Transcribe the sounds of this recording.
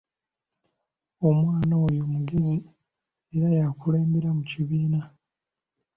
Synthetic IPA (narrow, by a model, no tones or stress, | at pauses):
o̞mwaːnaojomuɡe̞zi | eɾajakule̞ːmbe̞ɾamuciβiːna